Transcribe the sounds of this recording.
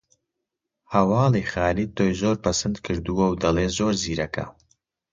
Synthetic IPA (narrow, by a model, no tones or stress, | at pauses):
hɐwɑːliχaːliːt̪ʰoːjzoːɾpɐsɨnd̪kʰɨɾd̪uwɐwd̪ɐleːzoːɾziːɾɐkʰɐ̰